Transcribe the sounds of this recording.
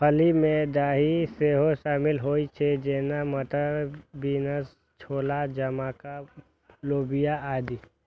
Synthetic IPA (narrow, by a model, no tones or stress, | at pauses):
pʰəlimẽd̪aːɦiseːɦoʃaːmɪlɦoːit͡ʃʰed͡ʒeːnaməʈ̪əɾbiːnəs | t͡ʃʰoːlad͡ʒəmãːka | loːbɪjaaːd̪i